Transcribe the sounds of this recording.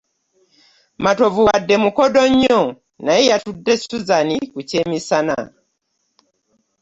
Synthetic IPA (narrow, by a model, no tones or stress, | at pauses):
matovuwadːemukodoɲːo | najejatudːesuzanikucemisana̰